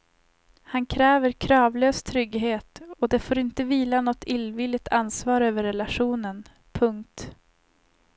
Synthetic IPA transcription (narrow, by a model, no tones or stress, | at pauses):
hankʰɾɛːvəɾkʰɾɑːvløːst̪ʰɾʏɡɦeːt̪ɔd̪ɛfoːɾɪnt̪əviːlanɔt̪ʰːɪlvɪlːɪt̪ʰansvɑːɾøːvəɾːɛlaɧuːnən | pʰɵŋk̚t̪